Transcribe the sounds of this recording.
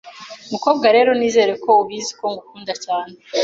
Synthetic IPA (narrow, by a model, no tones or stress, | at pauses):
umuko̞ːbɡaɾe̞ːɾo̞niːze̞ːɾe̞ko̞uβizi̥ko̞ŋɡukuːndacaːne